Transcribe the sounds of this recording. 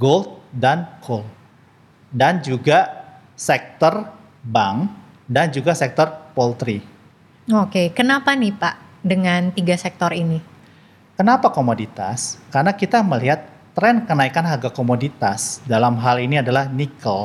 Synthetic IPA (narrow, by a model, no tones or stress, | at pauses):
ɡolt̪̚dankʰol | dand͡ʒuɡa | sɛk̚t̪ɔr | baŋ | dand͡ʒuɡasɛk̚t̪ɔrpɔlt̪ɾi | okekənapanɪhpaʔ | dəŋant̪iɡasɛk̚t̪ɔrini | kənapakomodit̪a̰skarnakit̪aməliɦat̪ː | ɾɛnkənaikanɦarɡakomodit̪asdalamɦaliniadalahnikəl